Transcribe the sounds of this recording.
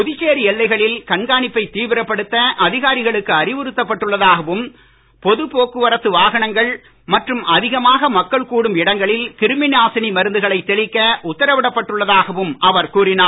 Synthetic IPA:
pʊðɪt͡ʃːeːɾiɛlːɐɪɣɐɭɪlkɐɳɡaːnɪpːɐɪt̪iːʋɪɾɐpːɐɽɯt̪ːɐʔɐðɪɣaːɾɪɣɐɭɯkːɯɐɾɪʋɯɾɯt̪ːɐpːɐʈːɯɭːɐðaːɣɐʋɯm | pɔðɯpoːkɯʋɐɾɐt̪ːɯʋaːɣɐɳɐŋɡɐɭ | mɐʈrɯmɐðɪɣɐmaːɣɐmɐkːɐɭkuːɽɯmɪɽɐŋɡɐɭɪlkɪɾɯmɪnaːsɪnimɐɾɯnd̪ɯɣɐɭɐɪt̪ːɛɭɪkːɐʔʊt̪ːɐɾɐʋɪɽɐpːɐʈːɯɭːɐðaːɣɐʋɯmʔɐʋɐɾkuːrɪnaː

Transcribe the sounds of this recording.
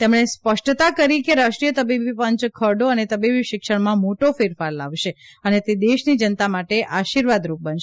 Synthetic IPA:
t̪emɳ̃espəʃʈt̪akəɾikeɾaʃʈɾijət̪əbibipəɲt͡ʃkʰəɾɖoənet̪əbibiʃɪkʃəɽmãmoʈofɪɾfaɾla̰ʋʃeənet̪ed̪eʃnid͡ʒənt̪amaʈeʔaʃiɾʋad̪ɾup̚bənʃ

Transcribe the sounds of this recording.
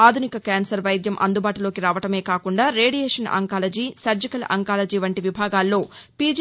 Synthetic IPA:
aːd̪ʱunikɐkaːnsɐɾʋɐjd̪jɐmʔɐ̰nd̪ubaːʈulo̞ːkiɾaːʋɐʈɐme̞ːkaːkuɳɖaːɾe̞ːɽijeːʂɐnɐ̰ŋkaːlɐd͡ʒiːsɐɾd͡ʒikɐlɐ̰ŋkaːlɐd͡ʒiːʋɐɳʈiʋibʱaːɡaːlːo̞ː | piːd͡ʒ

